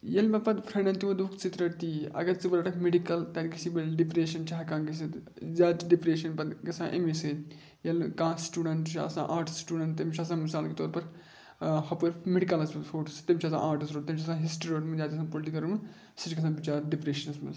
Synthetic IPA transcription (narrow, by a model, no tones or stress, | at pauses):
jɐlmɐpɐd̪pʰɾɐnɐnt̪imɐd̪ukʰt͡ʃit̪ɾɐʈt̪iːɐ̰ɡɐɾt͡sɨbɐɾɐʈɐkmeɖikɐlt̪ɐːnikɐsibɐlɖipɾeːʃɐnt͡ʃʰaɦɐkãːŋɡɐsi | zaːt̪ɖipɾeːʃɐnpɐd̪kɐsãːʔḛmese | jɐlkãːsʈuːɖɐɳʈt͡ʃʰiɐ̰sã̰ːʔaːɾʈsʈuːɖɐɳʈt̪ːɐmt͡ʃʰɐs̬ãːmisaːlket̪ɔːɾpɐɾ | hɐpuɾmeɽikɐlɐsfʰoːʈst̪ɐmʲt͡ʃʰɐsã̰ːʔaːɾʈisɾoːʈt̪ɐmt͡ʃʰɐsãːɦisʈɾioːʈmɐzʲaːt̪kɐsãːpolʈikɐɾumɐ | sɐt͡ʃkɐsãːbit͡ʃaːɾɖipɾeːʃɐnɐsmɐ̰